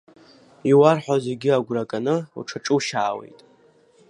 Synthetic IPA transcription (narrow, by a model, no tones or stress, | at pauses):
iwarħʷᶣazeɡʲiaɡʷrakʼanɨṵʈ͡ʂʰaʈ͡ʂʼɨwʃaːwḛjtʼ